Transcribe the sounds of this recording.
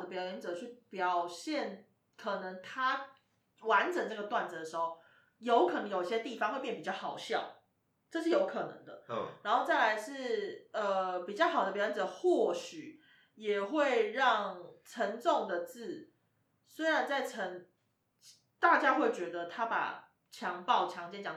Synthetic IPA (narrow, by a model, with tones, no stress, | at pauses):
d̪ə˦pjɑ˨˩ʊjɛ˧˥˩nt͡sɤ˨˩˦t͡ɕʰy˥˩pjɑ˨˩ʊɕjɛ˥˩n | kʰɤ˨˩nə˧˦ŋt̪ʰa˥ | wa˧˦nʈ͡ʂə˨˩ŋʈ͡ʂɤ˥˩ɡə˩t̪wa˥˩nd͡zə˨˩d̪ə˩ʂɻ̩˧˦xo˥˧˩ʊ | jo˧˥ʊkʰɤ˨˩nə˧˦ŋjo˨˩ʊi˥˩ɕjt̪i˥˩fɑ˥ŋxwpjɛ˥˩pi˨˩t͡ɕjɑ˥˩xɑ˨˩ʊɕjɑ˥˨˩ʊ | ʈ͡ʂɤ˥˧ʂɻ̩˥˩jo˧˥ʊkʰɤ˨˩nɤ̰˧˦ŋd̪ə̰˧ɻa˧˥nxo˥˧ʊt͡sa˥˩ɪla˧˥ɪʂɻ̩˥˩ə˨pi˨˩t͡ɕjɑ˥˩ʊxɑ˨˩ʊd̪ə˩pjə˥˩ʈ͡ʂə˨˩xwɔ˥˨˩ɕy˨˩ | jɛ˨˩xwe˥˧ɪɻɑ˥˩ŋʈ͡ʂʰə˧˥ŋʈ͡ʂo˥˨ŋd̪ə˩t͡sɹ̩˥˩ | swe˥ɪɻa˧˦nt͡sa˥˩ɪʈ͡ʂʰə˧˥ŋ | t̪a˥˩t͡ɕja˥xwe˥˩ɪt͡ɕɥɛ˧˥d̪ə˧t̪ʰa˥pa̰˨˩ | t͡ɕʰjɑ˧˥ŋpɑ˥˩ʊt͡ɕʰjɑ˧˥ŋt͡ɕjɛ˥˦nt͡ɕjɑ˨˩